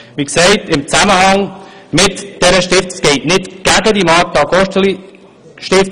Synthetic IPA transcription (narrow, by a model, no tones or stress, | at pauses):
ʋiːkseɪtɪmt͡saməhɑŋ | mɪtd̥ɛɾəʃtɪft͡sɡ̥ɛɪtnɪtɡ̥aɡədimɑːtːɑɡɔʃtəli | ʃtɪf